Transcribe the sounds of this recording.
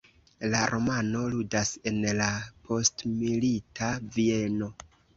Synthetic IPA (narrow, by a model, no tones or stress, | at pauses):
laɾʔo̞mano̞ludase̞nlapʰo̞stmilitʰavie̞no̞